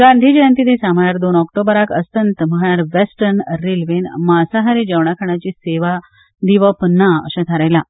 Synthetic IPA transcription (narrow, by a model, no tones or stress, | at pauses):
ɡand̪ʱid͡ʑəjant̪id̪esam̤ajaɾd̪onɔkʈ̪obəɾakʰəsənt̪məɦajaɾʋesʈəɾnəɾilʋenmasaɦaɾid͡ʑəʋɳakʰaɽ̃at͡ɕiːseʋa | d̪iʋəpnaə̰ɕãt̪ʰaɾajla